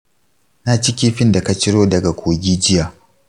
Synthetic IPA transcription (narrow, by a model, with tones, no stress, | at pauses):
na˦t͡ʃɪ˦kʲi˦ɸɪ˦nda˨ka˦t͡ʃɪ˦ɽoː˦dɐ˨ɡa˨kʷoː˨ɡʲiː˦d͡ʒɪ˦jaː˨